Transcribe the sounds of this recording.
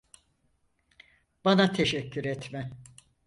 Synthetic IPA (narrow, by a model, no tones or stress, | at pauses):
b̥anat̪ʰeʃɛcʰːyɾɛt̪mɛ